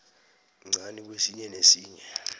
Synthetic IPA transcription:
ŋ͡ǀʱanik̬ʼwesiɲɛnesiːɲɛ

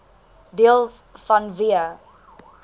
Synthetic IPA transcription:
deəlˠsfɐnviə

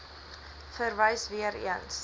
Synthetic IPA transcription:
fərvəjsviəɾḭəns

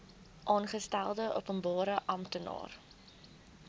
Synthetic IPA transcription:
ʔɑːnχəstælˠdəʔupənbɑːɾəʔɐmtənɑ̰ːr

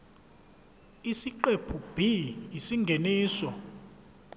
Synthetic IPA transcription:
isiǃepʰub̥ʱijisiŋɡʱeniːsɔ

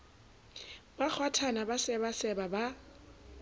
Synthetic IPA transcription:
bak͡xʰwatʰanabasɛβasɛbaba

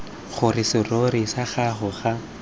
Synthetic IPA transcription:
χʊrɪsɪrorisaχaχʊχa

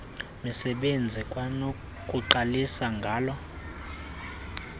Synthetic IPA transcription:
misɛɓend͡zʱikʼwano | kʼuǃalisaŋɡʱaːlɔ

